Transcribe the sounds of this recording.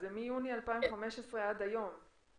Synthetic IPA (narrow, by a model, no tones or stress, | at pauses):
zemijunialpaimχame̞ʃesʁeadajo̞m